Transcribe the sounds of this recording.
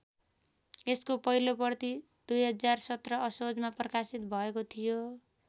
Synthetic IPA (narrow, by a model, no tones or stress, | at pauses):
eskopʌɦilopʌrt̪i | d̪̥ujɦʌd͡zarsʌt̪rʌʌsod͡zmaprʌkasit̪̚bʱʌekot̪ʰijo